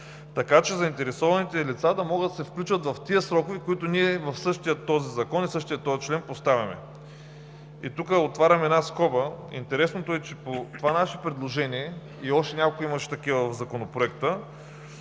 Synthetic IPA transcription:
t̪ɐkat͡ʃɛzɐint̪ɛɾɛsɔvɐnit̪ɛlit̪sad̪ɐmɔɡəd̪ɐsɛfklʲut͡ʃvət̪vɐft̪iəsɾɔkovikoit̪oniɛvɐfsɤʃt̪ijət̪ːɔzizɐkɔnisɤʃt̪ijət̪ːɔjt͡ʃlɛnpost̪avʲɐmɛ̰ | ḭt̪ukəot̪vaɾʲɐmɛd̪naskɔbəḭnt̪ɛɾɛsnot̪oɛt͡ʃɛpot̪ovanaʃɛpɾɛd̪lˠoʒɛniɛ | iɔʃt̪ɛnʲakolˠkoimɐʃɛ̥t̪ɐkivəvɐvzɐkonopɾoɛkt̪ə

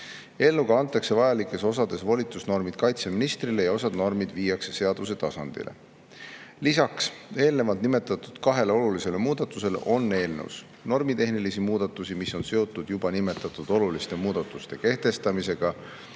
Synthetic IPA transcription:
e̞ːlːuɡ̥ɑɑnt̪ːˑɑkse̞vɑjɑlikːˑe̞so̞sɑd̪̥e̞svolʲit̪ːˑusno̞rmid̪̥kɑjt̪se̞minist̪rile̞jɑo̞sɑd̪no̞rmid̪̥viːjːɑkse̞se̞ɑd̪̥us̬e̞t̪ɑsɑnd̪̥ḭlʔe̞̰ | lisɑkse̞ːlne̞vɑld̪nime̞t̪ːˑɑt̪ːˑud̪̥kɑɦe̞leo̞lulise̞le̞muːd̪̥ɑt̪ːˑuse̞lḛʔo̞nːe̞ːlnews | no̞rmit̪e̞ɦnilisimuːd̪̥ɑt̪ːˑusimiso̞nse̞o̞t̪ːˑud̪̥jubɑnime̞t̪ːˑɑt̪ːˑud̪̥o̞lulist̪e̞muːd̪̥ɑt̪ːˑust̪e̞ke̞ht̪e̞st̪ɑmise̞ɡ̥ɑ

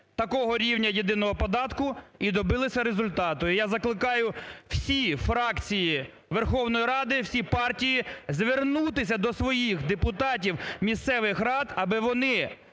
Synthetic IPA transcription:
t̪ɐkɔɦɔɾʲiwnʲɐjid̪ɪnɔɦɔpɔd̪ɑt̪kʊid̪ɔbɪlˠɪsʲɐɾezʊlʲt̪ɑt̪ɔjijazɐklˠɪkɑjʊw̥sʲifɾɑkt͡sʲiji | ʋerxɔwnɔjiɾɑd̪ɪwsʲipɑrtʲijizʋernut̪ɪsʲɐd̪ɔsʋɔjixd̪epʊt̪ɑt̬ʲiwmʲist̪sɛʋɪxrɑd̪ɐbɪʋɔnɪ

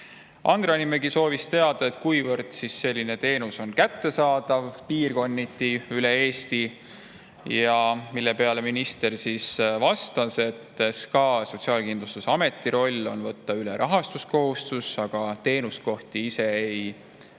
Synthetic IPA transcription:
ʔɑ̰nd̪̥rɑnimeɡ̥iso̞ːvist̪e̞ɑd̪̥ɑe̞t̪ˑkujvɤrd̪̥sisːe̞lʲːine̞t̪e̞ːnuso̞nkæt̪ːe̞sɑːd̪̥ɑvpiːrko̞nʲːit̪ːˑiylee̞ːst̪i | jɑmilːe̞pe̞ɑle̞minist̪e̞rsisvɑst̪ɑse̞t̪ːeskɑːso̞t̪ʲsiɑːlkind̪lust̪usɑme̞t̪ːˑiɾo̞lʲːo̞̰nvɤ̞t̪ːɑyleɾʔɑɦɑst̪usko̞ɦust̪usɑɡ̥ɑt̪e̞ːnusko̞ht̪iise̞ej

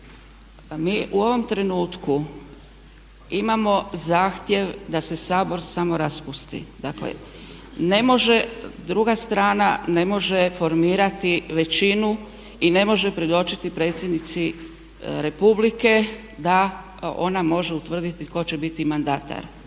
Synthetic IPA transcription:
miːʔuo̞ʋo̞mt̪ɾe̞nuːt̪ku | imamo̞zaːxt̪je̞ʋd̪ase̞saːbo̞ɾsamo̞ɾaspust̪ḭd̪aklḛ | ne̞mo̞ʒe̞d̪ɾuɡast̪ɾaːnane̞mo̞ʒe̞fo̞ɾmiːɾat̪iʋe̞t͡ɕinu | ine̞mo̞ʒepɾed̪o̞t͡ʃit̪ipɾe̞ːt̪sjed̪nit̪si | ɾe̞publike̞ | d̪a | o̞̰namo̞ʒe̞ut̪ʋr̩d̪it̪iko̞t͡ɕe̞bit̪imand̪at̪a̰ɾ

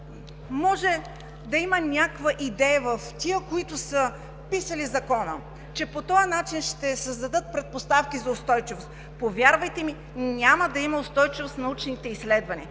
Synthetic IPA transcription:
mɔʒɛ | d̪ɐimənʲakvəʔid̪ɛjəvɐft̪ʲiəkoit̪ʊsə | pisɐlizɐkɔnə̰ | t͡ʃɛpot̪ɔjɐnat͡ʃinʃt̪ɛsəzd̪ɐd̪ɤt̪̚pɾɛt̪̚post̪afkʲizɐʊst̪ɔjt͡ʃivost̪ | povʲjaɾvɐjt̪ɛmi | nʲaməd̪ɐimɐʊst̪ɔjt͡ʃivost̪nɐut͡ʃnit̪ɛislɛd̪vɐnʲiə

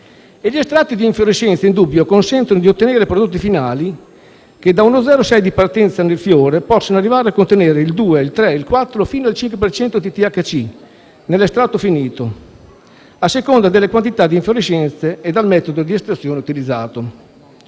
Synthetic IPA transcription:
eʎːiest̪ɾat̪ːid̪iːɱfjoɾiʃɛnt̪seind̪ubːjokonsɛnt̪onod̪iot̪ːeneːɾepɾod̪ot̪ːifinaːli | ked̪aunod̪zɛːɾosɛjd̪ipart̪ɛnt̪sanelfjoːɾepɔsːonoarːivaːɾeakːont̪eneːɾeild̪uːeilt̪ɾɛilkwat̪ːɾofiːnoalt͡ʃiŋkwepert͡ʃɛnt̪od̪it̪iakːat͡ʃi | nelːest̪ɾat̪ːofiniːt̪o | asːekond̪ad̪elːekwant̪it̪ad̪iɱfjoɾiʃɛnt̪seːd̪almɛːt̪od̪od̪iest̪ɾat̪sːjoːneut̪ilid̪zːaːt̪o

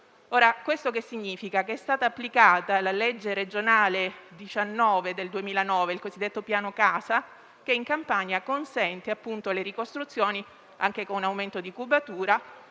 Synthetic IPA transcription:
oːɾakwest̪okesːiɲːiːfikakeɛst̪aːt̪aːpːlikaːt̪alaled͡ʒːeɾed͡ʒonaːled̪it͡ʃanːɔːved̪eld̪uemiːlanɔːveilkozid̪ːet̪ːopjaːnokaːsa | keiŋkampaɲakonsɛnt̪eapːunt̪oleɾikost̪ɾut̪sːjoːni | a̰ŋkekonunawment̪od̪ikubat̪uːɾa

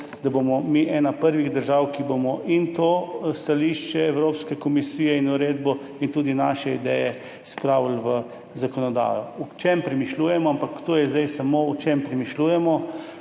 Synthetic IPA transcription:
d̪abomɔmiʔɛːnapəɾʋiɣd̪əɾʒaːwkibomɔʔint̪ost̪aliʃt͡ʃɛːwɾoːpskɛkɔmisiːjɛinuɾeːd̪bɔ | int̪uːd̪inaʃɛid̪ɛ̰jɛ | spɾaːwlʋə | zakɔnɔd̪a̰ːjɔut͡ʃempɾɛmiʃluːjɛmɔampakt̪oːjɛzd̪ajsamout͡ʃempɾɛmiʃluːjɛmɔ

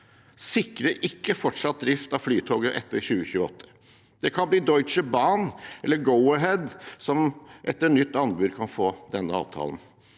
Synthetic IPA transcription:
sɪkɾəɾʔɪkːəfɔʈʂɑt̪̚d̪ɾɪft̪ɑʋflyːt̪ʰoːɡəʔɛ̰t̪ːəɾçʉːəçʉːəɔ̰t̪ʰːə̥ | d̪̥ɛkʰɑnbliːd̪ɔʏt͡ʃəbɑnʔɛlːəɡəʊəɦɛd̪sɔmʔɛt̪ːənʏt̪ːɑnbʉd̪kʰɑnfoːd̪ɛnːəɑ̰ːʋt̪ʰɑ̰ːlən

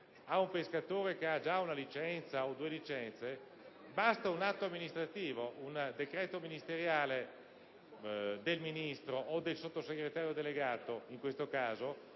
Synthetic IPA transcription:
aumpeskat̪oːɾek̟ead͡ʒaunalit͡ʃɛnt̪saod̪uːelit͡ʃɛnt̪se | bast̪aunat̪ːoamːinist̪ɾat̪iːvound̪ekɾɛːt̪ominist̪eɾjaːle | d̪elminist̪ɾoʔod̪elsot̪ːoseɡɾet̪aːɾjod̪eleɡaːt̪oiŋkwest̪okaːzo

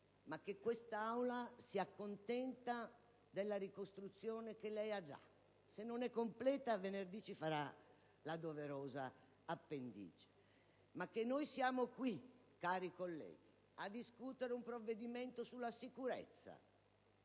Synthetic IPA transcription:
mak̟ːekːwest̪aawlasiakːont̪ɛnt̪a | d̪elːaɾikost̪ɾut̪sːjɔːnek̟elɛjad͡ʒa̰ | senːonɛkːomplɛːt̪avenerd̪iːt͡ʃifaɾa | lad̪oveɾɔːzaː | pːend̪ḭːd͡ʒe̥ | makːenːojsjaːmokwikːaːɾikolːɛ̰ːɡi | ad̪ːiskuːt̪eɾeumpɾovːed̪imɛnt̪osulːasikuɾɛ̰t̪sːa̰

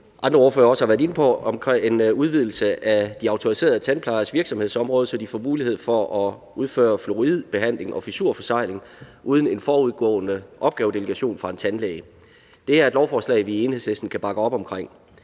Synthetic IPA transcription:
ʔɑ̈nd̥ʁɐo̝ɐfø̰ːɐɒ̽səhɑʋæɐðˠe̝nəpʰɒ̽mkʰenuðˠʋið̞̰ˠl̩səʔæd̥iɑ̈ʊt͡sʰo̝ʁise̝̰ːɐðˠt͡sʰænpʰlɑ̈ɪɐsʋiɐ̥sɒmhe̝ðˠsɒ̽mʁɔ̽ːð̩ˠsɒd̥ifɒ̰ːmuːlihe̝ð̞̰ˠfɒ̽ʔɒ̽ | uðˠfø̰ːɐflo̝ʁið̰ˠb̥e̝ɦæn̰le̝ŋɒ̽fisuɐ̰fɒ̽sɑ̈ɪ̰le̝ŋʔuːð̞ˠn̩e̝nfɒːuð̞ˠɡ̥ɔ̰̽ːnəʔɒ̽b̥̚ɡ̥ɛːʊd̥e̝ləɡ̥æɕo̝̰ːnfʁɑ̈e̝nt͡sʰænlɛːɪ | d̥e̝æɐed̥lɒʊfɒːslɛ̰ɪʋie̝ːnhe̝slesd̥n̩kʰæb̥ɑ̈ɡ̥əɒ̽b̥ɒ̽mkʰʁeŋ̰

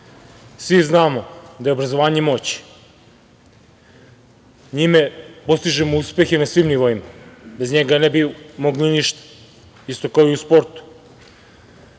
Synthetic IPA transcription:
sʋiznaːmo̞d̪aje̞obɾazo̞ʋaːɲe̞mo̞t͡ɕi̥ | ɲimepo̞st̪iʒemouspe̞xenasʋimniʋoimabe̞zɲeɡanebimoɡliniʃt̪ḁ | ist̪o̞kaoiuspo̞ɾt̪u̥

